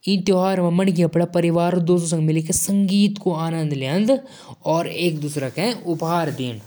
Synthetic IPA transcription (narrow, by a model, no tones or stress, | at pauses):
ĩnt̪joːɦaːɾʋɐmɐnk̬iɐpɽapɐɾɪʋaːɾod̪oːsos̬ɐ̃ŋɡmɪlekesɐ̃ŋɡiːt̪koaːnə̃nd̪leə̃nd̪ | ɔːɾeːk̚d̪uːsɾakɛ̃ʊpɦaːɾd̪iːn